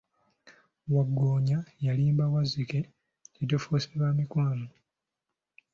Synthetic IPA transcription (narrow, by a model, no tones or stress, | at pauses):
waɡːoːɲajaliːmbawazike̞ | etofoseβaːmikwaːno